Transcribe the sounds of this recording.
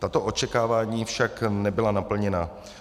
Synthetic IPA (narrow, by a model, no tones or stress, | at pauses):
t̪at̪o̞ʔo̞t͡ʃɛkaːvaːɲiːfʃaknɛbɪlanapl̩ɲɛna